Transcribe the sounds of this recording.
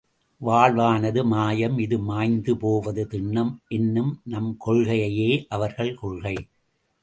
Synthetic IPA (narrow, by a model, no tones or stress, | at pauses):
ʋaːɭʋaːnɐðɯmaːjɐmɪðɯmaːjnd̪ɯpoːʋɐðɯt̪ɪɳːɐmʔɛnːɯmnɐmkɔɻɣɐjɐjeːʔɐʋɐɾɣɐɭkɔɭɣɐɪ